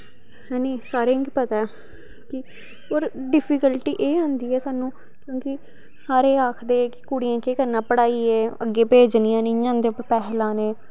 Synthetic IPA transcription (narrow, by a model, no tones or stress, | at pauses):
ɦɛːneːsaːɾeːŋkpət̪aɛ | kɪ | oːɾɖɪpʰikəlʈiːʔeːɦõnd̪iːɛːsaːnũː | kjõːkɪ | saːɾeːaːkʰd̪eːkɪ̥kuɽijãːkeːkəɾnaːpəɽaːiːɛːəɡːeːpeːd͡ʒnijãːnɪɲãːnd̪eːʊpːəɾpɛːɦlãːneː